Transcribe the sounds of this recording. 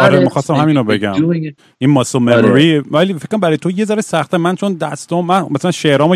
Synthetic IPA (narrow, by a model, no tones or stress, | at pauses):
ʔɒɾemixɒst̪æmhæminobe̞ɟæm | ʔinmɒsomemoɾiælifekʰːoɾæmbæɾːjet̪ʰoje̞zɒɾesæxt̪ʰæmænt͡ʃʰo̞nd̪æst̪ɒmænmæsælænʃeɾɒːmo